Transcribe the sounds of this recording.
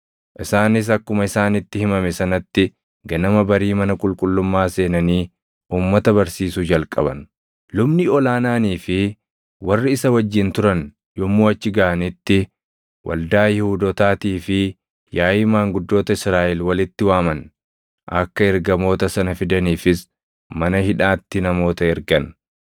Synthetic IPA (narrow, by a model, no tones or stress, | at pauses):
ʔɪsaːnɪs̬ɐkːʊmɐɪsaːnɪt̪ːɪhɪmɐmɛsɐnɐt̪ːɪ | ɡɐnɐmɐbɐɾiːmɐnɐkʼʊlkʼʊlːʊmːaːse̞ːnɐniː | uːmːɐt̪ɐbɐɾsiːsuːd͡ʒɐlkʼɐ̰bɐ̰n | lʊbnɪɔlaːnaːniːfɪ | wɐrːɪɪsɐwɐd͡ʒːɪnt̪ʊɾɐn | jɔmːoːɐt͡ʃːɪɡɐʔɐnɪt̪ːɪ | wʔɐ̰ld̪aːjɛhʊd̪ɔt̪aːt̪iːfɪ | jaːjɪmaːŋɡʊd̪ːo̞ːt̪ɐɪsɾaːʔɛlwɐlɪt̪ːɪwaːmɐn | ʔɐ̰kːɐɛɾɡɐmo̞ːt̪ɐsɐnɐfɪd̪ɐniːfɪs | mɐnɐhɪᶑaːt̪ːɪnɐmo̞ːt̪ɐɛɾɡɐn